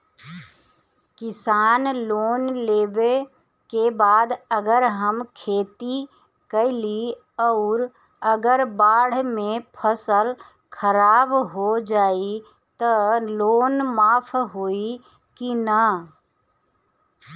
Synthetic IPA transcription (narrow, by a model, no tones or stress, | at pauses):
kɪsaːnloːnlebe | kebaːd̪əɡəɾɦəmkʰeːt̪i | kəɪli | ɔʊɾ | əɡəɾbaːɽ̤mẽpʰəsəl | kʰəɾaːbɦod͡ʒaːi | t̪əloːnmaːpʰɦoi | kinə